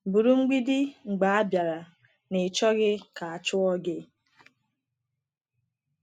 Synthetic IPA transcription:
bu˨ɾu˦ŋ͡m̩˦ɡ͡bi˦di˦ŋ͡m̩˨ɡ͡ba˨a˦bja˨ɾa˨ | nɪ˨t͡ʃɔ˦ɣɪ˦ka˨a˨t͡ʃʊ˦ɔ˦ɡɪ˦

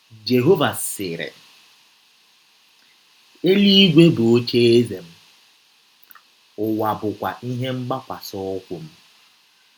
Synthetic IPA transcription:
d͡ʒe˨ɦo˦va˨sɪ˨ɾɪ̰˨ | e˦li˦i˦ɡʷe˦bo˨o˦t͡ʃe˦e˦ze˨m̩˦ | ʊ˨wa˨bʊ˨kʷa̰˨ʔi˦ɦe˦m̩˦ɡ͡ba˦kʷa˨sɔ˦kʷʊ˦m̩˦

